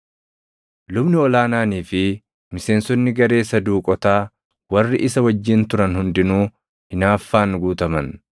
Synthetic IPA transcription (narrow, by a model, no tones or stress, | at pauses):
lʊbnɪɔlaːnaːniːfɪ | mɪse̞ːnsɔnːɪɡɐɾe̞ːsɐd̪uːkʼɔt̪aː | wɐrːɪʔɪsɐwɐd͡ʒːɪnt̪ʊɾɐnhʊnd̪ɪnuː | hɪnaːfːaːnɡuːt̪ɐmɐn